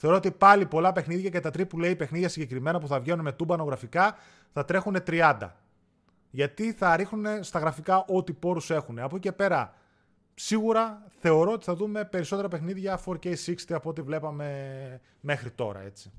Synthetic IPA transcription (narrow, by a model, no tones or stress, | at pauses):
θe̞o̞ɾoot̪ipɐlipo̞lɐpe̞xniðʝɐce̞t̪ɐt̪ɾipule̞ipe̞xniðʝɐsiɲɟe̞kɾime̞nɐpuθɐvʝe̞nunme̞t̪ubɐno̞ɣɾɐfikɐ | θɐt̪ɾe̞xune̞t̪ɾiɐnd̪ɐ̰ | ʝɐt̪iθɐɾixnune̞st̪ɐɣɾɐfikɐʔo̞t̪ipo̞ɾuse̞xune̞ɐpoce̞pe̞ɾɐ | siɣuɾɐθe̞o̞ɾo̞ot̪i̥θɐðume̞pe̞ɾiso̞t̪e̞ɾɐpexniðʝɐfoɾceisikst̪iɐpoot̪ivle̞pɐme̞ | me̞xɾit̪o̞̰ɾɐ̰e̞̰t͡si̥